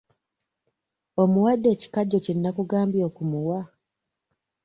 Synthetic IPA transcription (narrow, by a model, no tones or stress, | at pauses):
o̞muwadːe̞ːci̥kaɟːociinːakuɡaːmbjo̞ːkumuwa